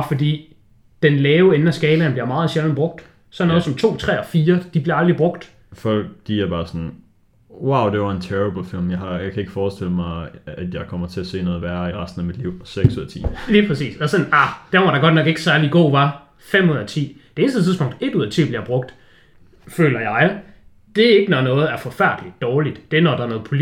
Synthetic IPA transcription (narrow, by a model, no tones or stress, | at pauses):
ɒfɒ̽dḭː | d̥enlɛːʊen̩æsɡ̥ɛːlənb̥liɐmɑ̈ːð̩ˠɕeln̩b̥ʁɔ̽ɡ̥̚d̥ | sɒ̽nɔ̽ðˠsɒ̽mt͡sʰo̝̰ːt͡sʰʁɛ̰ːɒfiːɐd̥ib̥liɐɑ̈ld̥ʁib̥ʁɔ̽ɡ̥d̥ | fɒɡ̥d̥ḭːjɑɐb̥ɑ̈ːsɒn | wäʊd̥e̝ʋɑ̈e̝nt͡sʰeʁib̥l̩filmjɑ̈ɪhɑ̈jɑ̈ɪkʰæe̝ɡ̥ə̥fɒːsd̥eləmɑɪæd̥jɑ̈ɪkʰɒm̰ɐt͡sʰe̝æɐse̝̰ːnɔ̽ːð̩ˠʋæɐiʁɑsd̥n̩æmid̥liʊ̰seɡ̥suɐt͡sʰḭːliːpʰʁɛsḭːsɒsɒ̽nɑd̥æmʋɒɐɾ̥ɑ̈ɡ̥ɒ̽d̥nɒ̽ɡ̥e̝ɡ̥sæɐliɡ̥ɔ̰ːʋɑ̈ | fem̰uð̰ˠɐt͡sʰḭːd̥ee̝nsdə̥t͡sʰiðˠsb̥ɔ̽ŋ̰d̥e̝d̥uð̰ˠɐt͡sʰḭːb̥liɐb̥ʁɔ̽ɡ̥̚d̥ | fø̰ːlɐjɑ̈ɪ | d̥e̝æɐe̝ɡ̥ənɒnɔ̽ːð̩ˠæɐfɒ̽fæɐd̥li̥d̥ɒːlid̥d̥e̝æɐnɒd̥ɑ̈ɐnɔ̽ːð̩ˠpʰo̝l